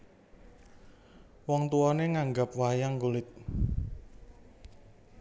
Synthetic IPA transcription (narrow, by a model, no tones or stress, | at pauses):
wɔŋt̪uɔneŋaŋɡap̚wajaŋkulɪt̪̚